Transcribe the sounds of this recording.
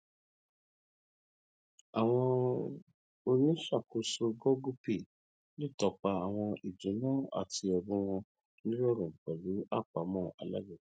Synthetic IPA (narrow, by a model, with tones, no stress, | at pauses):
a˨w̃ɔ̃˧ | o˧nĩ˦ʃa˦˨ko˨so˧ɡɔ˦ɡu˦pi˦˨ | li˦˨tɔ˧k͡pa˧a˨w̃ɔ̃˧i˨d͡ʒũ˨˦nãː˦˨a̰˦˨ti˧ɔ˧bũ˨˦w̃ɔ̃˧ | nĩ˦lɔ˦˨ɾũ˨k͡pɔ˨lu˨˦a˦˨k͡pa˨˦mɔ̃ː˦˨a̰˨la̰˦ɡi˦˨˦